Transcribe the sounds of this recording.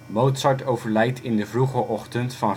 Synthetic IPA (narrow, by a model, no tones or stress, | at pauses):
mowtsɑɹtowvəɹlɛjtʰɪndəvruχəʔɔχtəntfɑn